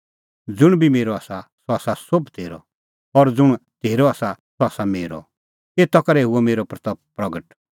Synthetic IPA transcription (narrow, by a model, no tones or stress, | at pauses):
d͡zʊɽ̃bimeːɾɔaːsasɔaːsasobt̪ʰeːɾɔ̰ | ɔɾd͡zʊɽ̃t̪ʰeːɾɔaːsasɔaːsameːɾɔ̰ | eːt̪ɔkɐɾɛɦuɔmeːɾɔpɾɐt̪ɐp̚pɾɐɡəʈ